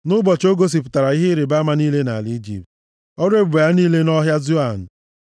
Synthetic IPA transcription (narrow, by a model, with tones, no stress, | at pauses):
nʊ˦bɔ˨t͡ʃo˦ɡo˦s̬i˨p̬ʊ˨ta˨ɾa˨i˦ɦɪ˦ɾe˨ba˦ma˦niː˦le˦na̰˨li˦d͡ʒḭ˨p̚t̚ | ɔ˦ɾe˦be˨ja˦niː˦le˦nɔ˦ɦja˦zu˦a˨n̩˨